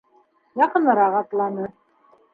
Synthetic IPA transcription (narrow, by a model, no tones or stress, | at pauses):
jɑqɤ̆nɤ̆ɾɑʁɑt̪lˠɑnɤ